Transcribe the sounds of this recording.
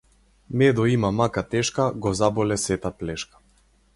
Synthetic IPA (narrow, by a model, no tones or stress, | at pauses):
mɛd̪ɔimamakat̪ɛʃkaɡɔzabɔlɛsɛt̪aplɛʃkḁ